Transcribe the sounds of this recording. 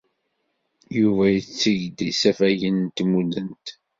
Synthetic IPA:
juvæjət͡sːiʝd̪isæfæjənt̪mud̪ənt̪

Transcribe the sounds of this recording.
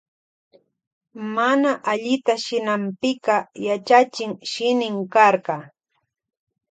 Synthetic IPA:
manaʔaʎɪt̪aʃɪnampɪkɑjat͡ʃat͡ʃɪŋʃɪnɪŋkɑɾɢɑ

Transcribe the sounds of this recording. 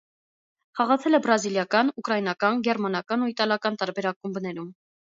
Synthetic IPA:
χɑʁɑt͡sʰɛlɛbɾɑziljɑkɑnukɾɑjinɑkɑnɡɛɾmɑnɑkɑnuit̪ɑljɑkɑnt̪ɑɾbɛɾɑkumbnɛɾum

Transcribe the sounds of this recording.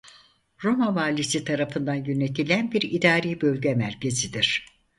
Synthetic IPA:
ɾo̞manvaːlʲisit̪ʰaɾafɯnd̪anjøne̞t̪ʰilʲænbiɾid̪aːɾiːbølʲɟɛmæɾcʰe̞zid̪iɾ̥

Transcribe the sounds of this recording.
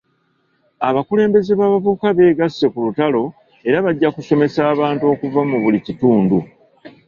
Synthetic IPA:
aβakule̞ːmbe̞zeβaːβavukaβe̞ːɡasːe̞kulutalo̞ | e̞ɾaβaɟːakuso̞me̞saːβaːntuo̞ːkuvamuβulicituːndu

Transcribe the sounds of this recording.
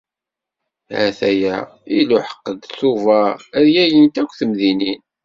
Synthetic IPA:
hæ̰θæjæ | iluħə̥qːəd̪θuvææðjæjənt̪ækʷːθəmðinin

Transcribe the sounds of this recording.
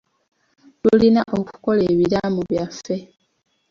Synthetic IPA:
lulinaʔoku̥ko̞le̞ːβiɾamuβjafːe̞

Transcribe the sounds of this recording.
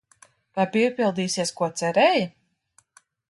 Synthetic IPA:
t̪ajpipʲilˠd̪iːsiɛskuɔt̪sɛɾɛj

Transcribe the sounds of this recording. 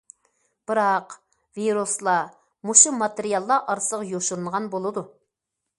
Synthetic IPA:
b̥ɨɾɑq | viɾuslˠɑ | muʃumɑt̪eɾijɑlˠːɑʔɑɾsəʁjoʃuɾunʁɑnbolˠɨd̪u

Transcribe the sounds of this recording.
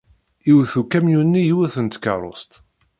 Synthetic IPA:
iwθukæmjunːijiwæθənt̪kə̰ɾˤo̰st̪

